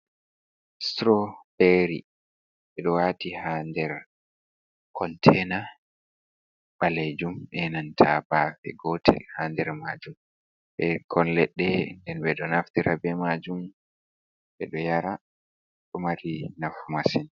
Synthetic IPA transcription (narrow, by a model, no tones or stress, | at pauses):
stɾɔbɛɾḭ | ɓɛɗɔwatihandɛɾ | kʰɔntʰɛna | ɓaled͡ʒumʔɛnantʰabafɛ̰ɡɔtʰɛ̰lhaːndɛɾmad͡ʒum | ɓɛkʰɔnlɛɗːɛndɛnbɛɗɔnaftiɾʔabɛmad͡ʒum | ɓɛɗɔjaɾa | ɗumaɾinafumasin